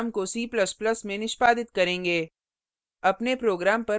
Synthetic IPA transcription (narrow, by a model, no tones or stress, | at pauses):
mkosiːplɐsplɐsmẽnɪʃpaːd̪ɪt̪kɐɾẽːŋɡeː | ɐpnepɾoːɡɾaːmpɐ